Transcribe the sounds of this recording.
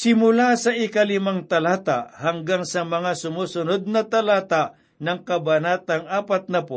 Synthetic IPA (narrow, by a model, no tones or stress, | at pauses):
sɪmʊlasɐʔɪkalɪmaŋt̪ɐlaːt̪aʔhɐŋɡaŋsɐmɐŋasʊmuːsʊnod̪̚nɐt̪ɐlaːt̪aʔ | nɐŋkɐbɐnat̪ɐŋaːpat̪̚nɐpo